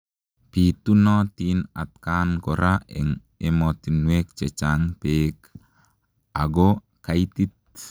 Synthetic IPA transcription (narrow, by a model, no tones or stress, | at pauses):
pit̪unɔt̪inat̪̚kankɔɾʔaɛ̰ŋ | emɔt̪inwek̚t͡ʃɛt͡ʃaŋpek | aɡɔ | kait̪it̪̚